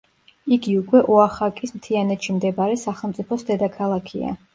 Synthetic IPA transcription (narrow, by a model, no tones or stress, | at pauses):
iɡiukʼwɛʔɔaχakʼismt̪ʰianɛt̪ʃimd̪ɛbaɾɛsaχɛlˠmt̪sʼipʰɔsd̪ɛd̪akʰalˠakʰḭa̰